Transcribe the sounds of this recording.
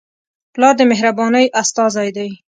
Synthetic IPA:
plɑɾd̪əmeɦɾabɑnəjʔast̪ɑzajd̪aj

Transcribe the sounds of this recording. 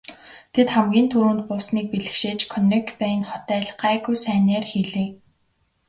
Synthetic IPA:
t̪ʰet̪χamɡʲiːnt̪ʰuɾuːnt̪̚pʊsniːk̚piɮɘ̆xʃeːt͡ɕkʰɔnekpæːnχɔt̪æːɮɢ̥æːɣujsæːneːrxiɮeː

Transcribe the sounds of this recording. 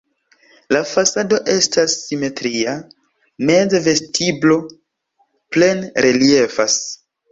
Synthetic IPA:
lafasado̞ʔe̞stasːime̞tɾia | ne̞dve̞stʰiblo̞ | ple̞nɾe̞lie̞fas

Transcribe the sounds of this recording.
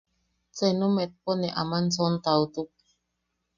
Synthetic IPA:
t͡senumet̪̚poneʔamansont̪aut̪uk̚

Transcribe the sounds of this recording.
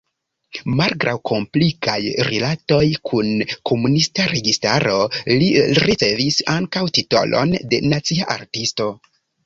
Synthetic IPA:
malɡɾʔa̰wkʰo̞mplikʰajɾilato̞jkʰunkʰo̞munistaɾe̞ɡistaɾo̞liɾit͡se̞visaŋkawtito̞̰lo̞̰nde̞̰nat͡siaʔaɾtisto̞

